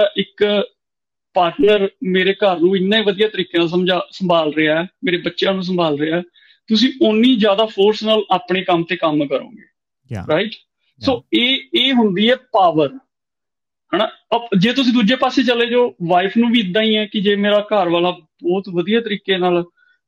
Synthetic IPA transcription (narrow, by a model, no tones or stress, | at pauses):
ʔɪk | paːɾʈnəɾmeːɾeːkəɾnũːɪnːãːiːʋəd̪ijaːt̪əɾiːkeːnaːlsəmd͡ʒaːsəmbʱaːlɾɪaːɛːmeːɾeːbətːʃjãːnũːs̬əmbʱaːlɾɪaɛː | t̪ʊsĩːʔʊnːĩːd͡ʒjaːd̪aːpʰoːɾsnaːlaːpɳeːkəmt̪eːkəmkəɾõ̰ːɡḛː | ɾaːɪʈ | soːeːeːɦʊnd̪iːɛːpaːʋəɾ | ɦɛːnaːəd͡ʒeːt̪ʊs̬ĩːd̪uːd͡ʒeːpaːseːt͡ʃəleːd͡ʒoːʋaːɪpʰnũːbiːd̪ãːĩːɛ̃ːkɪd͡ʒeːmeːɾaːkəɾʋaːlaːbɔːt̪ʋəd̪ijaːt̪əɾiːkeːnaːl